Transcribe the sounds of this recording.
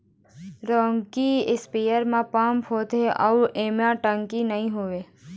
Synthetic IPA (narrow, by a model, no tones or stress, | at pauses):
ɾõːŋkiɪspijəɾmãpãːmpɦoːt̪eʔəuʔeːmãʈə̃ŋkinəɦĩɦoʋeː